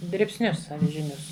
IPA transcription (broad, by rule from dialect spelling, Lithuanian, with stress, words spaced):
dʲrʲɪpʲsʲˈnʲʊs ɐʋʲɪʒʲɪˈnʲʊs